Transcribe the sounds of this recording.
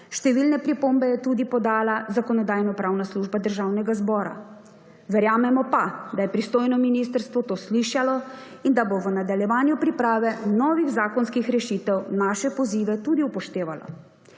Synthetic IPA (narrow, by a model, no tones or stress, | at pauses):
ʃt̪ɛʋiːlnɛpɾipoːmbɛjɛt̪ud̪ipɔd̪aːlazakɔnɔd̪aːjnɔpɾawnasluːʒbad̪əɾʒawnɛɡazbɔːɾa̰ | ʋɛɾjaːmɛmɔpad̪ajɛpɾist̪oːjnɔminist̪əɾst̪ʋɔt̪oːsliʃalɔ | ind̪aboʋənad̪aljɛʋaːnjupɾipɾaːʋɛnɔːʋiɣzaːkɔnskixɾɛʃiːt̪ɛwnaːʃɛpɔziːʋɛt̪ud̪iupɔʃt̪eːʋala̰